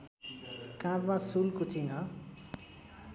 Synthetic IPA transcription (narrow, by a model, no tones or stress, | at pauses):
kãɾmãsulkut͡sʰinʌ